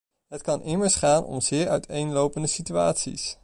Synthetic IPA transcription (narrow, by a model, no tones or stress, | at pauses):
ɦətkɑnʔɪməɹsχaːnʔɔ̰mz̥ɪːɹœɥtʰejnlowpəndəsitya̰ːtsḭs